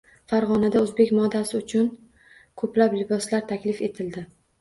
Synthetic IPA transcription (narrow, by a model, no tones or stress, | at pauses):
faɾʁɒnad̪aɵzbe̞kʲmɒd̪ːasɪʊt͡ʃʰʊn | kʰɵplaplɪbɒslaɾt̪ʰakʲlɪfe̞t̪ʰɪld̪ɪ